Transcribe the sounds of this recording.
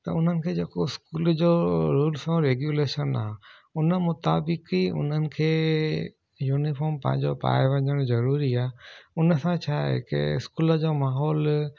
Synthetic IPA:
t̪ɐ̰ʊn̤ənɪ̆kʰeːd͡ʑeːkoɪskuːld͡ʑoːɾuːlsõɾeːɡjuleːʃəna̰ːʊnəmʊt̪a̰ːbɪkiʊ̰n̤ənɪ̆kʰeː | juːnifɔːɾmpɐ̰̃ɦɪ̃ɲd͡ʑopa̰ːjeʋɐ̃ɲəɽ̃zɐɾuːɾiaːʊnəsãt͡ɕʰaḛkɪ̰ɪ̰skuːləd͡ʑoːmaːɦɔːl

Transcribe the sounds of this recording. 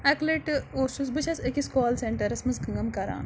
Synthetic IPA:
ɐkleʈoːsusbɨt͡ʃʰɐsɐkʲiskɔːlseɳʈɐɾɐsmɐzɡɐŋɡɐmkɐɾa̰ːn

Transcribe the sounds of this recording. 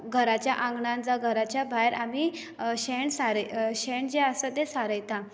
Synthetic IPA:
ɡʱəɾat͡ɕjaʔãŋɡɳãnd͡zaɡʱəɾat͡ɕjabʱajɾʔami | ɕeɳsaɾəɕeɳd͡ʑeəsət̪esaɾəjt̪a

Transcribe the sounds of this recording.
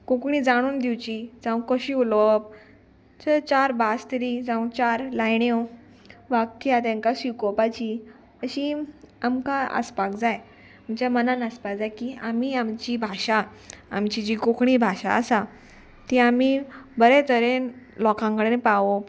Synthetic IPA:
kokɳ̃iːd͡zaɽ̃uːnd̪iwt͡ɕid͡zãʋũkəɕiulop̚ | t͡sət͡ɕaɾbast̪əɾid͡zãũt͡ɕaɾlajɳew | ʋakːjat̪ãŋkasikɔpat͡ɕi | əɕiamkãə̰spakd͡zaj | amt͡ɕjamənanəspakd͡zajkiamiamt͡ɕibʱaɕaː | mt͡ɕid͡ʑikokɳ̃iːbʱaɕa̰ə̰sa | t̪iamibəɾɛt̪əɾen | lɔkãŋkəɽenẽpaʋo

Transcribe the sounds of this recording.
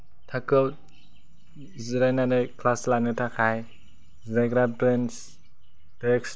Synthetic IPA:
tʰakɯw | ziɾajnanɯjkʰlaslanɯtʰakʰaj | zaɡɾabɾens | teks

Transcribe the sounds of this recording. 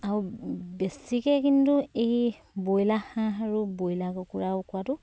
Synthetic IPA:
aubɛsikɛkintuej | bojlahãaɹubojlakɔkuɹawkʊatʊ

